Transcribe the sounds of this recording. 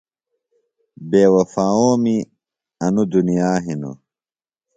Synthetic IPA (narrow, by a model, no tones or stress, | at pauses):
beːwɐfaːoːmi | ɐnud̪unijaːɦino̰